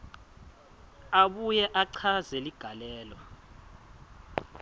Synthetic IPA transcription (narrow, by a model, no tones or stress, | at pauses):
aɓujɛʔaǀʰazɛliɡ̥ʱalɛːlwa